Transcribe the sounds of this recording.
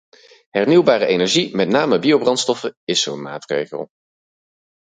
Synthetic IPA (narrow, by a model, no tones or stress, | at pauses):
ɦɛɹniwbaːrəʔejnɛɹʒimɛtnaːməbiowbrɑntstɔfəɪsonma̰ːtrḛjχə̰lˠ